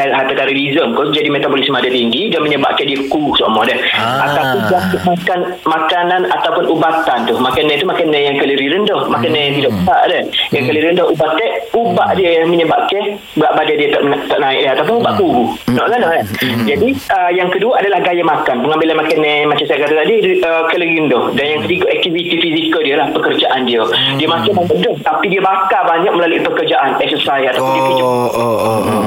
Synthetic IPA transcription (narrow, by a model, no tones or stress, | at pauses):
ɦat̪ət̪aɾilizəmkod͡ʒadimet̪abolismadat̪iŋɡiɡanməɲəba̰ʔkɛhdiəkusomɔdəh | a̰t̪apʊnsəlasumakan | makananat̪awpʊnʔubat̪ant̪umakanːɛt̪umakanːɛjaŋkələɾiɾəndɔhmakanːɛat̪idɔʔbəsaʔdəhjaŋkəliɾiəndɔubaʔt̪ɛʔubaʔdiəjməɲəbaʔkɛh | bəaʔbadadiət̪aʔnat̪aʔnaɪʔ̚dɛɦat̪awp̬ʊnubaʔkuɡunɔʔlanɔʔlad͡ʒadiəjaŋkəduəʔadalahɡajamakanpəŋambɪlanmakənːɛmat͡ʃamsajakat̪at̪adiəkɛləɾindɔhdanjaŋkət̪iɡoʔɛk̚t̪ivit̪ifisikəldiəlahpəkərd͡ʒaʔandiə | diəmakamaaʔdɔht̪apidiəbakabaɲak̚məlaluḭpəkərd͡ʒaʔanɛksəsajat̪awpʊndiəkid͡ʒo